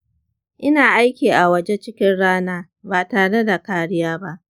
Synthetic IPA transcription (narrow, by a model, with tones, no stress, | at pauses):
ʔɪ˦naː˨ʔa˦jkʲiː˨ʔa˨wɐ˦d͡ʒe˦t͡ʃɪ˦kʲɪ˦nɽaː˦naː˦ | baː˨taː˨ɽe˦da˨kaː˦ɽɪ˦jaː˦ba˦ʔ